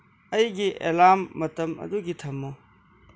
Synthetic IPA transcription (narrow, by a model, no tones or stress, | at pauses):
ɐjɡiʔḛlaːmːɐt̪ɐmɐ̰d̪uɡit̪ʰɐmːo